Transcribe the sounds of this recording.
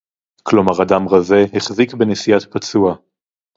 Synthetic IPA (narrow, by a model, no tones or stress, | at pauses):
klo̞maʁadamʁaze̞heχzikbenesiat̪pat͡sua